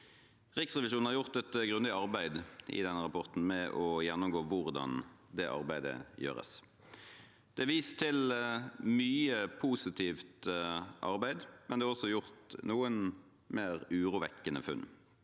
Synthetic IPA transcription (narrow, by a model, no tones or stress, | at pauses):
ʁɪksʁɛʋɪʃuːnn̩hɑʁjʊʁt̪ɛt̪ɡɾʉnd̪ɪɑʁbæɪd̪ʔɪ̰d̪ɛnːəʁɑpʰɔʁt̪n̩mɛʔɔjɛnːʊmɡoːʋʊʁd̪ɑ̰nd̪ɛʔɑ̰ʁbæɪd̪ə̰jø̰ːʁə̰s | d̪̥ɛʋiːst̪ʰɪl | myːəpʰuːsɪt̪ʰiːft̪ʔɑ̰ʁbæɪd̪mʔɛnd̪ɛːhɑʁɔsɔjʊʁt̪nuːən | meːʁʉːʁuːʋɛkːənəfʉ̰nː